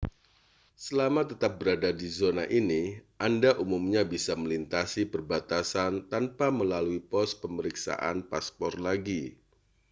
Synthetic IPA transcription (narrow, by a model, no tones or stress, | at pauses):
səlamat̪ət̪ap̚bəɾadadizonaʔiniʔandaʔumumɲabisaməlint̪asipərbat̪asant̪anpaməlaluipɔspəməɾiksa̰ʔa̰npaspɔrlaɡi